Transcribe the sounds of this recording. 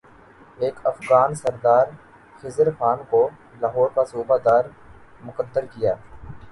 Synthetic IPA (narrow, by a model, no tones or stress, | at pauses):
eːkɐfɣaːnsəɾd̪aːɾ | xɪzəɾxaːnko | laːɦɔːɾkasuːbad̪aːɾ | mʊkəd̪ːəɾkɪjaː